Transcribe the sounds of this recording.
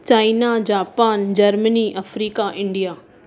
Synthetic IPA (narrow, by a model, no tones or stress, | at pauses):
t͡ɕaːɪnad͡ʑaːpaːnd͡ʑɐɾməniʔɐfɾiːkaʔɪ̃ɳɖijaː